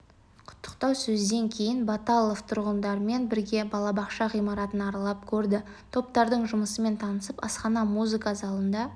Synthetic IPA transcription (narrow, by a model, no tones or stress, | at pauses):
qʰʊ̥t̪ʰːə̥qt̪ɑwsɵzd̪e̞ŋkʲʰe̞jɪnbɑt̪ɑlˠoft̪ʰʊɾʁənd̪ɑɾəme̞nbɪɾɡʲe̞bɑlˠɑbɑqʃɑʁijmɑɾɑt̪ənɑɾɑlˠɑp̚kʲʰɵɾd̪ɪ | t̪ʰo̞pt̪ɑɾd̪əɴʒʊməsəme̞nt̪ʰɑnəsəpɑ̰sqɑnɑmuzɨkɑzɑlˠənd̪ɑ